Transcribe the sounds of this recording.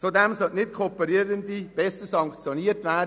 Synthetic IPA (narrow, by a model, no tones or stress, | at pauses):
t͡sodɛmsœlnɪtkʰoːpəɾiːɾəndib̥ɛsəsɑŋkt͡sjoniːətʋæːd